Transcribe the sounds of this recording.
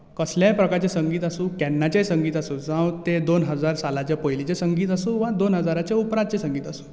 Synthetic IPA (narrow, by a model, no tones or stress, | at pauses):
kəsljapɾəkaɾt͡ɕesəŋɡiːt̪asũːkɛnːat͡ɕesəŋɡiːt̪asuːd͡zãwt̪ed̪onɦəd͡zaɾsalat͡ɕjapəjlit͡ɕesəŋɡiːt̪asũːʋad̪onɦəd͡zaɾat͡ɕeupɾãd̪̚t͡ɕesəŋɡiːt̪asu̥ː